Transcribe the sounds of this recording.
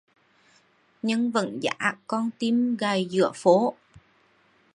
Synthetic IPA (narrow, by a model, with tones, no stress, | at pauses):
ɲə˧ŋvə̰˧˨nza̰ː˧˥kɔ˧nt̪i˧mɣaː˨˩jzɨ̰˧˩əfo˨˦